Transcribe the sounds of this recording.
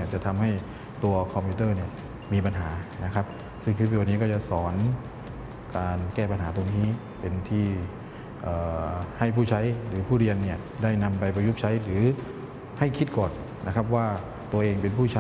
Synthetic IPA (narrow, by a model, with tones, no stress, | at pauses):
ɐt͡ɕa˨˩ʔt̪ʰa˧mha˥˩j | t̪u˧ɐkʰɔ˧mpʰiː˧˥t̪ɤː˥˩ni˥˩ɐ | miː˧p̬a˧nɦaː˩˦na˦˥˩kʰa˦˥p̚ | sɯ˥˩ŋt̪ʰp̬ːoː˧niː˦˥kɔː˥˩t͡ɕa˨˩sɔː˩˦n | kaː˧nkɛː˥˩pa˧nɦaː˩˦t̪o˧ŋniː˦˥ | pe˧nt̪ʰiː˥˩ | ʔɤː˨˩ha˥˩jpʰuː˥˩t͡ɕʰa˦˥jɾɯː˩˦pʰuː˥˩ɾi˧ənːi˥˩ɐ | daː˥˩jna˧mpa˧jpa˧ju˦˥˩p̚t͡ɕʰa˦˥jɾɯː˩˦ | ha˥˩jkʰi˦˥t̪̚kɔː˨˩nːʔa˦˥kʰa˦˥p̚waː˥˩ | t̪u˧ɐʔeː˧ŋpe˧npʰuː˥˩t͡ɕʰa˦